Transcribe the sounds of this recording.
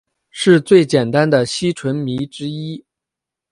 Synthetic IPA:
ʂɻ̩˥˧t͡swe˥˩ɪt͡ɕjɛ˨˩nt̪a˥nd̪ə˨ɕi˥ʈ͡ʂʰwə˧˥nmi˧˥ʈ͡ʂɻ̩˥i˥

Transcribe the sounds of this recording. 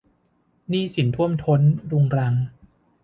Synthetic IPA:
niː˥˩si˩˦nt̪ʰu˥˩əmt̪ʰo˦˥nɾu˧ŋɾa˧ŋ

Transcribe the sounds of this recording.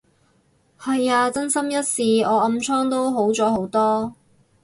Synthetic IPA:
hɐ˨jaː˧t͡sɐ˥nsɐ˥mjɐ˥t̚siː˨ɔː˨˧ɐ˧mt͡sʰɔː˥ŋt̪o˥wɦo˨˥wt͡sɔː˨˥ho˨˥wt̪ɔː˥

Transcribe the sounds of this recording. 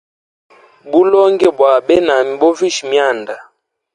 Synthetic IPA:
bu˦lɔ˦ŋɡɛ˦˨bwa˨ɓɛ˦na˨mi˨bɔ˦vi˦ʃi˨mja˦˨nda˨

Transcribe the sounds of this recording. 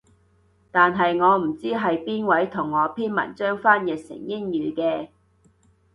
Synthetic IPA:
t̪aː˨nɦɐ˨jŋɔː˨˧m̩˨˩t͡siː˥ɦɐ˨jpiː˥nwɐ˨˥jt̪ʰʊ˨˩ŋːɔː˨˧pʰiː˥nmɐ̰˨˩nt͡ʃœː˥ŋfaː˥njɛ˨t̚sɪ̰˨˩ŋjɪ˥ŋjyː˨˧kɛː˧

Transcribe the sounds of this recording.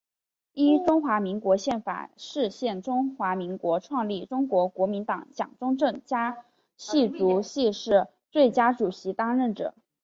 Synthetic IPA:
i˥ʈ͡ʂʊ˥ŋxwa˧˥mi˧˥ŋkwɔ˧˥ɕjɛ˥˩nfa̰˨˩ʂɻ̩˥˧ɕjɛ˥˩nʈ͡ʂʊ˥ŋxwa˧˥mi˧˥ŋkwɔ˧˥ʈ͡ʂʰwɑ˥˧ŋli˥˩ʈ͡ʂʊ˥ŋkwɔ˧˥kwɔ˧˥mi˧˥nt̪ɑ˨˧˩ŋt͡ɕjɑ̰˨˩ŋʈ͡ʂʊ˥ŋʈ͡ʂɤ˥˩ŋt͡ɕja˥ | ɕi˥˩t͡su˧˥ɕi˥˧ʂɻ̩˥˧ | t͡swe˥˩ɪt͡ɕja˥ʈ͡ʂu˨˩ɕi˧˥t̪ɑ˥ŋɻə˥˩nʈ͡ʂɤ̰˨˩˦

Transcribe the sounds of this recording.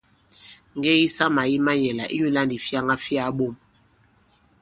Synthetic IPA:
ŋ˨ɡɛ˦i˦sa˦ma˨ji˦ma˦jɛ˨la˨ʔi˦ju˦la˦ndi˨fja˦ŋa˦fi˦a˨˦ɓo˦˨m

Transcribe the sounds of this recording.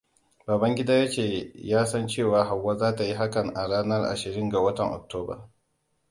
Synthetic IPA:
baː˨bɐ˦ŋɡʲɪ˦daː˦jɐ˦t͡ʃeː˨jaː˦sɐ˦nt͡ʃeː˦˨waː˨ɦa˨wːa˦zaː˦ta˨ji˦ɦa˦kɐ˨ŋʔa˨ɽaː˦nɐ˦rʔa̰˨ʃɪ˨ɾɪ˦ŋɡa˨wɐ˦tɐ˨ŋʔɔ̰˨k̚toː˦ba̰˨

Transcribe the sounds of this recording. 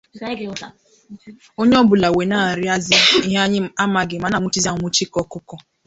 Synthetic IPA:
o˦ɲe˦ɔ˦bʊ˨la˨we˨na˦˨ɾɪ˦a˦zɪ˦i˦ɦa˦ɲ˦a˦ma˨ɡɪ˨ma˨na˨ŋʷu˦t͡ʃi˦za˦ŋʷu˦t͡ʃi˦kɔ˦kʊ˦kɔ˦

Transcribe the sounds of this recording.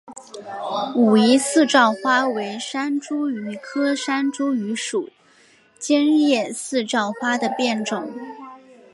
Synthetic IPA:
u˨˩i˧˥sɹ̩˥˧ʈ͡ʂɑ˥˩ʊxwa˥we˧˥ɪʂa˥nʈ͡ʂu˥y˧˥kʰɤ˥ʂa˥nʈ͡ʂu˥y˧˥ʂu˨˩˦ | t͡ɕɛ˥njɛ˥˧sɹ̩˥˧ʈ͡ʂɑ˥˩ʊxwa˥d̪ə˨pjɛ˥˩nʈ͡ʂʊ˨˩˦ŋ

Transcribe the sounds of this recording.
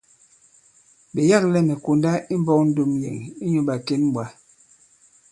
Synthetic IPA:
ɓe˨ja˦k̚lɛ˦mɛ˨ko˨nda˦ʔi˦m˦bɔ˦k̚n̩˦do˦mjɛ̰˨ŋ˨i˦ɲo˦ɓa˨ke˦nm˦bwa˦

